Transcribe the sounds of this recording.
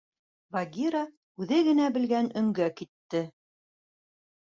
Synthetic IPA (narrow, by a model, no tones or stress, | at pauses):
vaɡʲiɾɑ | ʉðɘɡɘ̆næbɘ̆lɡænɵ̆ŋɡækit̪ːɘ